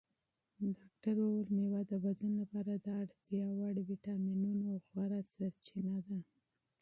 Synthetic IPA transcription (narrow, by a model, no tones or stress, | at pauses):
ɖɑk̚ʈaɾolmewad̪əbad̪anlapɑɾad̪ɑɽt̪jɑwaɽwiʈɑminunoxwaɾasaɾt͡ʃinad̪a